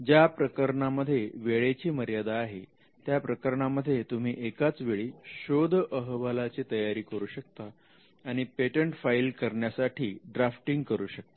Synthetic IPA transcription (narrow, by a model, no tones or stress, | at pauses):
d͡ʑjapɾəkəɾəɳaməd̪ʱːjeʋeɭet͡ɕiːməɾjad̪aːɦe | t̪japɾəkəɾəɳaməd̪ʱːjet̪um̤iːʔekat͡sʋeɭiːɕod̪ʱʔəɦʋalat͡siːt̪əjaɾiːkəɾuːɕək̚t̪aː | ɽ̃ipeʈəɳʈfailkəɾɳjasaʈʰḭːɖɾafʈiŋɡkəɾuːɕək̚t̪ḁ